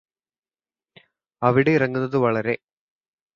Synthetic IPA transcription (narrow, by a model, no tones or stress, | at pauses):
ɐʋiɽe̞irɐŋːunːɐðɨʋɐɭɐɾe̞